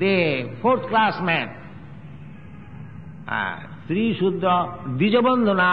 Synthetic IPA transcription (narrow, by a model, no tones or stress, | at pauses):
epʰoɾt̪ʰklasmɛn | st̪ɾiʃud̪ɾɔd̪id͡ʑobɔnd̪ʱona